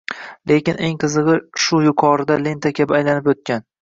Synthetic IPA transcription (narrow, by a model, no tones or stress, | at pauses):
le̞kʲɪneŋqʰɨzɨʁɨʃʊjʊqʰɒɾɪd̪alent̪ʰakʲʰabɪajlanɪpot̪̚kʲan